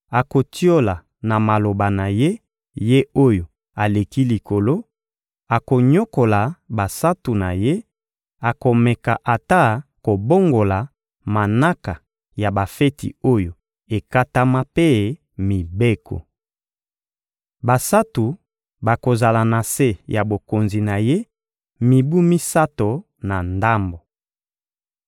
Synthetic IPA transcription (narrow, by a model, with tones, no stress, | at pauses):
a˨ko˨ti˦o˦la˨ | na˨ma˨lo˨ba˨na˨je˦ | je˦o˦jo˨ | a˨le˨ki˦li˨ko˨lo˦ | a˨ko˨ɲo˦ko˨la˨ba˨sa˦tu˨na˨je˦ | a˨ko˨mɛ˨ka˨ʔa˨ta˦ko˨bo˦ŋɡo˨la˨ | ma˨na˦ka˨ | ja˨ba˨fe˦tḭ˨o˦jo˨ | e˨ka˦ta˦ma˦pe˦ | mi˨be˦ko̰˨ | ba˨sa˦tu˨ | ba˨ko˨za˨la˨na˨se˦ja˨bo˨ko˨nzi˨na˨je˦ | mi˨bu˦mi˦sa˦to˨ | na˨nda˦mbo˨